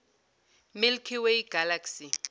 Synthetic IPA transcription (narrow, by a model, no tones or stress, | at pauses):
milkʰiwejɡ̥alaksi